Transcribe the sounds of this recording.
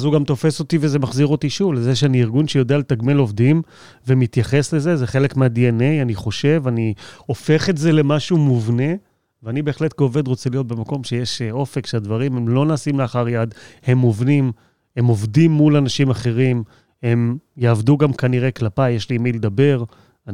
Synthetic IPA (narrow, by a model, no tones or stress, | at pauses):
azuɡamt̪o̞fe̞so̞t̪ivezemaχziʁo̞t̪iʃuvlezeʃeaniiʁɡunʃejo̞d̪ealet̪aɡme̞lo̞vd̪im | vemit̪jaχe̞sle̞zezeχe̞lekmeadiene̞janiχo̞ʃe̞vanio̞fe̞χetze̞le̞maʃumuvne̞ | veanibe̞ːχle̞t̪̚keove̞d̪ʁo̞t͡selijo̞t̪̚be̞mako̞mʃejeʃo̞fekʃead̪vaʁimemlo̞naːsimleaχaʁjad̪he̞movnim | e̞mo̞vdimːulanaʃimaχe̞ʁim | e̞mjaːvduɡamkaniʁeklapajːeʃlimiled̪abe̞ʁ | a